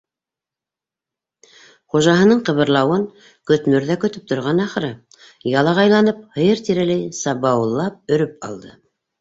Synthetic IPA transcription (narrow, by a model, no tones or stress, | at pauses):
χuʒɑɦɤ̆nɤɴqɤ̆βɤ̆ɾlˠɑwɤŋ | kɵ̆t̪mɵ̆ɾðækɵ̆t̪ɵp̚t̪ŏɾʁɑnɑχɾɤ | jɑlˠɑʁɑjlˠɑnɤp̚hɤ̆jɤɾt̪iɾælæjsɑβɑwɤ̆lˠːɑp̚ɵ̆ɾɵp̚ɑ̰lˠd̪ɤ